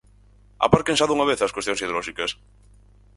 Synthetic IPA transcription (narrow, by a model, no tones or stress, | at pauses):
a̰paɾkensaðuŋaβeθɐskwest̪joŋsiðeoloʃikɐs